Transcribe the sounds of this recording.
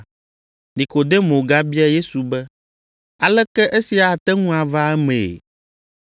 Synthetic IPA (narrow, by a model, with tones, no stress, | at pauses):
nĩ˨ko˨d̪e˦mõ˨ɡa˦bi˦a˦je˦su˨bɛ˦ | a˨lɛ˦kɛ˦ʔe˦si˨a˨t̪ɛ˦ŋũ˦a˨va˦ɛ˦mḛ̃˨